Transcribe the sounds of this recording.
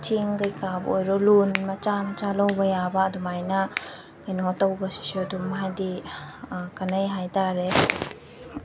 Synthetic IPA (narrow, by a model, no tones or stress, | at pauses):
t͡ʃiŋɡəjkabʔɔjɾɔlunmat͡ʃamat͡ʃalɔwbəjabaʔd̪ɔmajna | kəjnɔɔt̪awbəsi̥sɔd̪ɔmɦad̪i | kanəjɦajd̪aɾɛ